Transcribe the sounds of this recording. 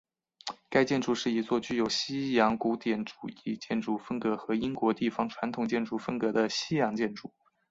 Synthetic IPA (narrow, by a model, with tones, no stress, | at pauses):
ka˥ɪt͡ɕjɛ˥˧nʈ͡ʂu˥˩ʂɻ̩˥˩i˧˥t͡swɔ˥˧t͡ɕy˥˩jo˨˩ʊɕi˥jɑ˧˥ŋku˧˥t̪jɛ˨˩nʈ͡ʂu̥˨˩i˥˩t͡ɕjɛ˥˩nʈ͡ʂu˥˩fə˥ŋkɤ˧˥xɤ˧˥i˥ŋkwɔ˧˥t̪i˥˩fɑ˧˥ŋʈ͡ʂʰwa˧˥nt̪ʰʊ˨˩ŋt͡ɕjɛ˥˧nʈ͡ʂu˥˩fə˥ŋkɤ˧˥d̪ə˧ɕi˥jɑ˧˥ŋt͡ɕjɛ˥˧nʈ͡ʂu˥˩